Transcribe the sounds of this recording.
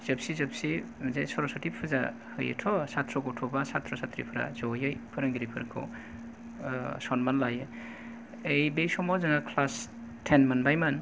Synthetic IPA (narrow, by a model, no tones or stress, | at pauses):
z̥ɯp̚sizɯp̚sizajsɔɾɔsɔtipʰɯza̰ | hɯ̰jɯ̰tʰɔsat̪ʰɾɔkɔtʰɔbasat̪ʰɾɔsat̪ʰɾḭpʰɾa̰zɔjɯjpʰɯɾaŋɡiɾipʰɯɾa̰kʰɔ̰ | sɔnmanlajɯ | ejbesɔmɔzɯŋakʰlas | tʰenmanbajmɐn